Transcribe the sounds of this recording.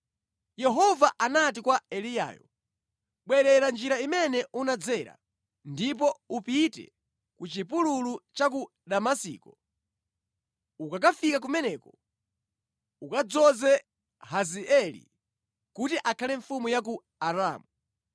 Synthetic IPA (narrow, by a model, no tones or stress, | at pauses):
jɛɦɔvaʔanat̬ikwaɛlija̰ːjɔ̰ | ɓwɛɾɛɾand͡ʒiɾaimɛnɛʔunad͡zɛɾa̰ | ndip̬ɔupitɛ̰ | kut͡ʃipululut͡ʃak̬u | ɗamasḭːkɔ | ukak̬afikak̬umɛnɛːkɔ | ukad͡zɔzɛ | haziɛlḭ | kutiʔakʰalɛɱfumujak̬u | aɾaːmu